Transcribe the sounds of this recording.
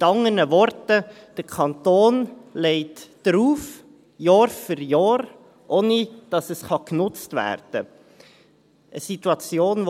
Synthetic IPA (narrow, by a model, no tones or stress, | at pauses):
mɪtɑŋənəvɔɾtə | d̥əkʰɑntoːnleɪtd̥ɾuːf | jɑːɾfʏɾjɑːɾ | ʔoːnid̥ɑsəsχɑknʊt͡stvæ̰ːɾd̥ə | ʔəsituɑt͡sjoːn